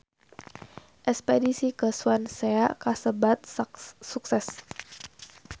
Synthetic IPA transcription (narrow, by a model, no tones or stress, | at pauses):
ʔɛspedisikəswanseakasəbat̪̚suksɛs